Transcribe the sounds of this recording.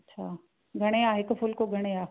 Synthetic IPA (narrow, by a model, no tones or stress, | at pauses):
ɐtːɕʰaː | ɡʱɐɽ̃eaːɦɪkfʊlkoɡʱɐɽ̃eaː